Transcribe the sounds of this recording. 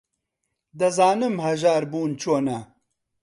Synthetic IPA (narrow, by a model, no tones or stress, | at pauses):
d̪ɐzaːnɨmhɐʒaːɾbuːnt͡ʃʰoːnɐ